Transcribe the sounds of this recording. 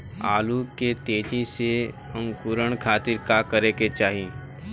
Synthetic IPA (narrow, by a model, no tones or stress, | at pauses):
a̰ːluket̪eːd͡ʒĩse | ə̃ŋkuːɾəɳ̃kʰaːt̪ɪɾkakəɾeket͡ʃaːɦiĩ